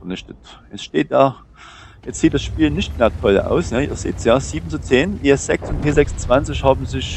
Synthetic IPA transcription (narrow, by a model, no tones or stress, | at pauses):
fɛɐnɪçtətjɛt͡sʃteːt̚d̥aː | jɛt͡stz̥iːt̚d̥asʃpiːlnɪçtmeːɐtʰɔlʔa̰ʊsnəʔḭːɐz̥ḭːtsjaːz̥iːbn̩t͡sut͡seːnʔiːɛsz̥ɛksʊntpʰeːzɛksnt͡sv̥ant͡sɪçhaːbm̩zɪç